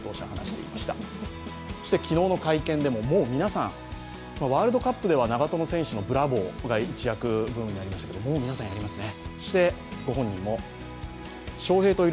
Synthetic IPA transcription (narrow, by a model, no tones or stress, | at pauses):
t̪o̞ːɕaha̰na̰ɕi̥t̪e̞ḭmaɕi̥t̪a | so̥ɕi̥t̪e̞kʲino̞ːno̞kaikẽ̞nd̪e̞mo̞mo̞ːmʲinasã̰ŋ̃ | maβaːɾɯd̪o̞kapːɯ̟d̪e̞βanaɡat̪o̞no̞sẽ̞ɰ̃ɕɨno̞bɯ̟ɾabo̞ːɡait͡ɕijakɯ̟bɯ̟̃ɰ̃ɲ̟ːinaɾʲimaɕi̥t̪ḁkeomo̞ːmʲinasãɰ̃jaɾʲimasɨne̞so̞̥ɕi̥t̪e̞ɡ̥o̞ɦõ̞ɲ̟ːĩmːo̞ | ɕo̞ːhe̞ːt̪o̞i